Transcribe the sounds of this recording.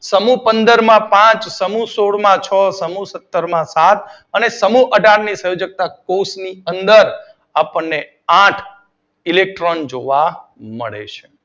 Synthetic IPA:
səmũpənd̪əɾmãpãt͡ʃsəmũsoɽmãt͡ʃʰəsəmũsət̪ːəɾmãsat̪ | ənesəmuʔəɖʱaɾnisə̃jod͡ʒək̚t̪akosniənd̪əɾ | apənːe | ãʈʰ | ilek̚ʈɾɔnd͡ʒoʋamə̰ɭḛt͡ʃʰe

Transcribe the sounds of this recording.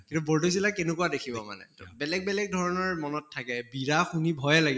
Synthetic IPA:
kintuboɹdʱos̬ilakenʊkuwadekʰibɔma̰nɛ̰bɛlɛɡ̚bɛlɛɡ̚dʱɔɹɔnɔɹmɔnɔtʰːakɛbiɹaxunibʱɔjɛlaɡi

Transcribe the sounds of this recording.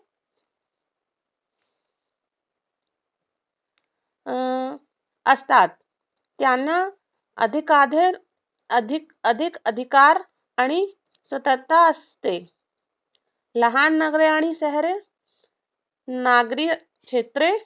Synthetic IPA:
əst̪at̪̚ː | janːa | ə̰d̪ʱikad̪ʱəɾ | əd̪ʱik | əd̪ʱikəd̪ʱikaɾ | aɽ̃i | sət̪ət̪aəst̪e | ləɦanːəɡɾeaɽ̃isəɦɾe | naɡɾi | kʂet̪ɾe

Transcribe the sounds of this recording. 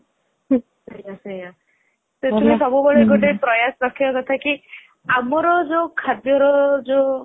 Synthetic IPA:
sejaseja | seumisɔbubɔɭeɡoʈepɾɔjasɾɔkʰiɔkɔt̪ʰaki | amɔɾɔd͡ʒokʰad̪jɔɾɔd͡ʒo

